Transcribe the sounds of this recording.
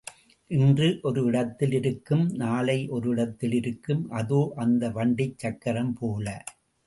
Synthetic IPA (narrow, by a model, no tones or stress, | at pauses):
ʔɪndrɯʔɔɾɯɪɽɐt̪ːɪlɪɾɯkːɯmnaːlɐɪʔɔɾɯɪɽɐt̪ːɪlɪɾɯkːɯmʔɐðoːʔɐnd̪ɐʋɐɳɖɪt͡ʃːɐkːɐɾɐmpoːlɐ